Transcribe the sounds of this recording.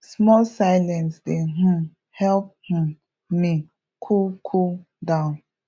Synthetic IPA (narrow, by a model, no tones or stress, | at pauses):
smɔlsaɪlɛ̃nsdeɦũ | hɛlp̚hũ | mi | kʰokʰo | dãʊ̃n